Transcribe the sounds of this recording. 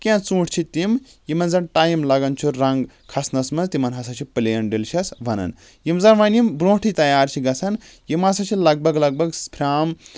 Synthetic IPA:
kʲãt͡sũːʈʰʲt͡ʃʰit̪im | jimɐnzɐnʈaːjimlɐɡɐnt͡ʃʰuɾɐŋɡ | kʰɐsnɐsmɐnzt̪imɐnɦɐsɐt͡ʃʰipɨleːɐnɖilʃʰɐsbʱɐnɐ̰n | jimzɐnʋɐnimbɾõːʈʰit̪ɐjaːɾt͡ʃʰiɡɐt͡sʰɐn | jimɐsɐt͡ʃʰilɐɡ̚bʱɐɡlɐɡ̚bʱɐɡspʰɾʲaːm

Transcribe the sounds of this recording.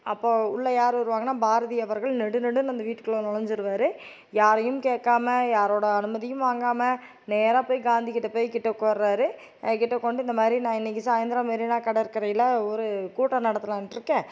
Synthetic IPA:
ɐpːoːʊɭːɐjaːɾɯʋɐɾɯʋaːŋɡɐnːaːbaːɾɐðɪjɐʋɐɾɣɐɭnɛɽɯnɛɽɯnɐnd̪ɐʋiːʈːɯkːɐɭoːnɔɭɐɲd͡ʒɯɾɯʋaːɾɯ | jaːɾɐjɯmkeːʈkːaːmɐjaːɾoːɽɐɐnɯmɐðɪjɯmʋaːŋɡaːmɐ | neːɾaːpoːjɡaːnd̪ikɪʈːɐpːoːjkɪʈːɐkːoɾɾaːɾɯ | kɪʈːɐkːɔɳɖɯɪnd̪ɐmaːd̪ɾinãːɪnːɛk̬ʲːɯsaːjɪnd̪ɾaːmaːd̪ɾinaːkɐɽɐɪɾɯkːɪɾɐjɪlɐɔɾɯkuːʈːɐnɐɽɐt̪ːɯlãːʈɾɯkːẽː

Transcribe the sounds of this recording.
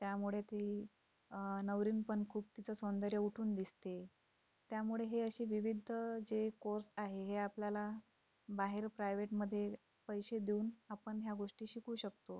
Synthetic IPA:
t̪jamuɭet̪e | nəʋɾiːnpənkʰuːb̚t̪it͡səsond̪əɾjəuʈʰuːnd̪ist̪e | t̪jamuɭeɦeəɕiːʋiʋid̪ʱəd͡zekoɾsaɦeɦeapljala | baɦeɾpɾajʋeʈməd̪ʱːje | pəjɕed̪iuːnapəɳɦjaɡoʂʈiːɕikuːɕək̚t̪o

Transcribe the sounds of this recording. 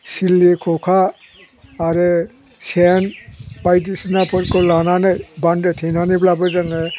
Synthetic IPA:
silikʰɔkʰaː | ɾɯ | sɛnbajdisinapʰɔɾkɔlananajbandetʰejnaniblabɔzaŋɛ

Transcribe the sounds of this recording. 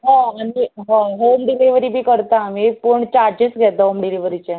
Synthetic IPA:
ɦãañiɦãɦomɖiliʋɾibʱiːkəɾt̪aːmipuɳt͡ɕaɾd͡ʑiːt͡sɡʱɛt̪aɦomɖiliʋəɾit͡ɕẽ

